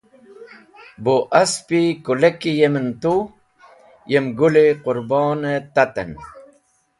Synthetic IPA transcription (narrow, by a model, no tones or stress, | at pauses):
boʔaspikulekijement̪u | jemɡuleqʊɾbɑːnet̪at̪ḛn